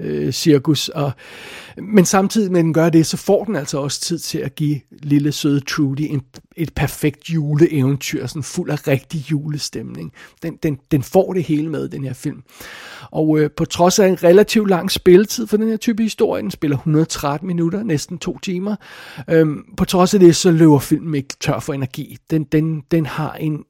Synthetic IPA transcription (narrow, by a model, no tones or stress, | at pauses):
øsiɐkʰusɒ̽ | mensɑ̈mt͡sʰið̞̰ˠimed̥en̩ɡ̥ɶɐd̥e̝sɒ̽fɒ̰ːd̥enæl̰sɒɒ̽sə̥t͡sʰið̰ˠt͡sʰe̝læɡ̥ḭliləsøːð̞ˠət͡sʰʁuːdiʔe̝ne̝d̥̚pʰæɐfeɡ̥̚d̥juːləʔeʊnt͡sʰy̰ɐ̰sɒ̽nnful̰æʁeɡ̥̚d̥ijuːləsd̥emne̝ŋd̥end̥end̥enfɒ̰ːɾ̥e̝he̝ːləmeð̞ˠd̥enhe̝ɐfil̰mʔɒ̽ʊøpʰɒ̽t͡sʰʁɒ̽sæe̝nʁelæt͡sʰiʊd̥lɑ̈ŋ̰sb̥e̝lət͡sʰið̰ˠfɒ̽d̥enheɐ̰t͡sʰyːb̥əhisd̥o̝ɐ̰jəd̥ensb̥e̝lɐhunɐðˠt͡sʰʁad̥n̩minuɾɐnesd̥n̩t͡sʰo̝̰ːt͡sʰiːmɐøpʰɒ̽t͡sʰʁɒ̽sæd̥e̝sɒ̽løʊɐfil̰mn̩e̝ɡ̥t͡sʰɶɐ̰fɒ̽e̝nɐɡ̥ḭːd̥end̥end̥enhɑ̈e̝n